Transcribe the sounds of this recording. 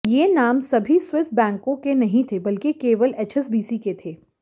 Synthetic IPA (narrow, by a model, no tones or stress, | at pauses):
jeːnaːmsɐbʱiswɪs̚bɛ̃ːŋkõkenɐɦĩt̪ʰebɐlkekeːʋəleːt͡ʃʰɛs̬biːsiket̪ʰeː